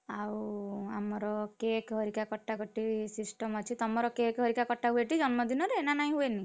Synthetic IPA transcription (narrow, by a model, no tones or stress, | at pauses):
awamɔɾɔkekɦɔɾikakɔʈːakɔʈːisisʈɔmɔt͡ʃʰit̪ɔmɔɾɔkekɦɔɾikakɔʈːaɦueʈid͡ʒɔnmɔd̪inɔɾeenanaĩɦueni